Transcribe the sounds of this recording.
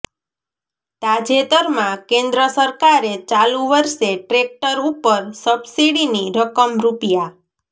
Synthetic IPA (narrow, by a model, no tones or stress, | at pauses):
t̪ad͡ʒet̪əɾmãkẽnd̪ɾəsəɾkaɾet͡ʃalũʋəɾʃeʈɾek̚ʈəɾupəɾsəbsiɽiniɾəkəmɾupija